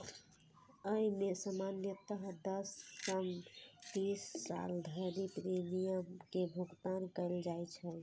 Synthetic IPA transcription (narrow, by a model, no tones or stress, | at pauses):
əimesəmanjət̪əɦd̪əskəmt̪isːa̰ld̪ʱəɾipɾemijəmkebʱuɡt̪ankəɪld͡ʒajt͡ʃʰɛl